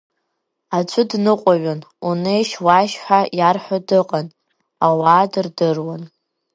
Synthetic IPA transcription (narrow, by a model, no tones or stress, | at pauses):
at͡ʃʷʰʊdnɨqʷʼaɥanunejʃwaʃħʷᶣajarħʷᶣadɨqʼan | awaːdɨrdɨrwan